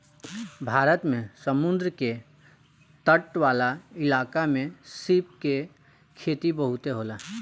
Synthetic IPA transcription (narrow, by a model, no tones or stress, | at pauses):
bʱaːɾət̪mẽsəmʊ̃nd̪ɾəke | t̪əʈwaːlaɪlaːkamẽsip̚ke | kʰeːt̪ibəɦʊt̪eɦoːlaː